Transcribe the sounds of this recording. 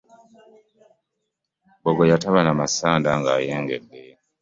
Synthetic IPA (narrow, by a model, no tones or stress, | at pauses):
boɡojataβanamasaːndaŋɡa̰ːjeːŋɡedːe